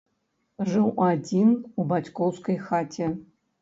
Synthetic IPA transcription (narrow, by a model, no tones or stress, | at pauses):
ʐɨwad͡zʲinubat͡sʲkɔwskɐjxat͡sʲʰɛ